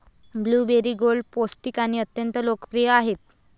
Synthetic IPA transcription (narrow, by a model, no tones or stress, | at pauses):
bluːbeɾiɡolposʈiːkaɽ̃iət̪jənt̪əlokə̥pɾijəaɦet̪̚